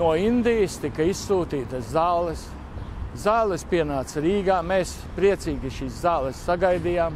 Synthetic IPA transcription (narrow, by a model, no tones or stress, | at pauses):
uɔind̪ijist̪ikɐissuːt̪iːt̪ɐszallɛs | zaːwlˠɛspiɛnaːt̪sɾiːɡaːmeːs | pɾiɛt̪siːɡʲiʃiːszaːlˠɛsːaɡajd̪ijaːm